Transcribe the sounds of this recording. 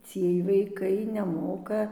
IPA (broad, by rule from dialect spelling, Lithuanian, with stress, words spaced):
ˈt͡sʲiɛj ʋɐɪˈkɐɪ nʲɛˈmoːkɐ